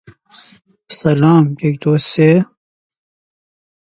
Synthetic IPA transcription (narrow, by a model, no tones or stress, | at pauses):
sɐlaːmkek̚d̪ose